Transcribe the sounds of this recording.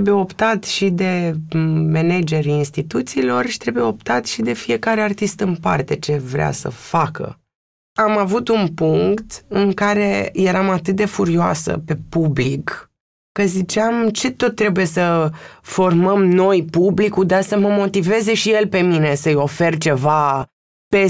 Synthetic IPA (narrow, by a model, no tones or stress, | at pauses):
ebujeo̞pt̪at̪ʃid̪e̞ | mened͡ʒe̞ɾinst̪it̪ut̪siːlo̞rʃi̥t̪ɾe̞bujeo̞pt̪at̪ʃid̪e̞fije̞kaɾe̞art̪ist̪ɨnpa̰rt̪e̞t͡ʃe̞vɾea̰sə̰fakə̰ | amavut̪unpuŋkt̪ɨŋkaɾe̞je̞ɾamat̪ɨt̪̚d̪e̞fuɾioa̰sə̰pe̞publikː | əzit͡ʃeamt͡ʃe̞t̪o̞t̪ːɾe̞buje̞səfo̞rməmno̞jpublikud̪asəməmo̞t̪ive̞ze̞ʃije̞lpe̞mine̞səɨjo̞fe̞rt͡ʃe̞va | pe